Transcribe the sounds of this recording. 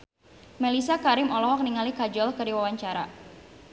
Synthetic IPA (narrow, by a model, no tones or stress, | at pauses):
mɛlisakaɾɪmɔlɔɦɔk̚niŋalikad͡ʒɔlkərdiwawaɲt͡ʃaɾa̰